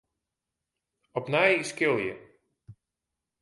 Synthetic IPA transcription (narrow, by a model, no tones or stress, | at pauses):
ɔpnajiskɪlˠjə̰